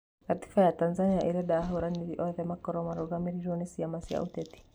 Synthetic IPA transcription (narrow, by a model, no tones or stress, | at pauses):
kati̥fajatanzaniaʔiɾɛdaːɦoɾaniɾiʔɔðɛmakɔɾɔmaɾɔɣamiɾiɾɔnisiamasia̰ʔut̪ɛt̪i̥